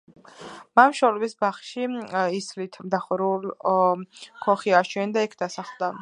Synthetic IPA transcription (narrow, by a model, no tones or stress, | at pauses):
mamʃɔlɛbisbaχʃiislit̪ʰmd̪aχɔɾul | kʰɔχiaʃʰwɛnd̪aɛkʰd̪asaχlˠd̪a